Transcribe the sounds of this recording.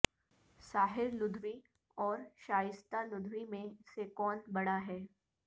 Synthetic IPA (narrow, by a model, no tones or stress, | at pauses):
saːɦɪɾlʊd̪ʱʋi | ɔːɾʃaːjɪst̪alʊd̪ʱʋimẽsekɔːnbɐɽaɦɛː